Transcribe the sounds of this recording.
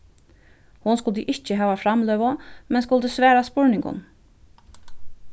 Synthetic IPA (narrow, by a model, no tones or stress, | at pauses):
hʊnskʊlt̪əʔɪht͡ʃəɦɑːʋafɾamlœːʋamɛns̬kʊlt̪əsʋæːɾaspʊɹnɪŋɡʊ̰n